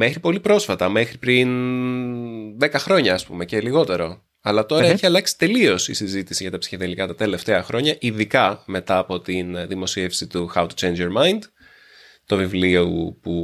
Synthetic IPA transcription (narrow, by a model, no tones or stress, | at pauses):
me̞xɾipo̞lipɾo̞sfɐt̪ɐme̞xɾipɾin | ðe̞kɐxɾo̞ɲɐːspṵme̞ce̞liɣo̞t̪e̞ɾo̞ | ɐlɐt̪o̞ɾɐeçiɐlɐksi̥t̪e̞lio̞sḭsizit̪isiʝɐt̪ɐpsi̥çeðelikɐt̪ɐt̪e̞le̞ft̪e̞ɐxɾʔo̞ɲɐʔiðikɐme̞t̪ɐːpo̞t̪inðimo̞sie̞fsit̪uxɐwt̪u̥t͡ʃejnd͡ʒjo̞ɾmɐind̪ | t̪ovivliupu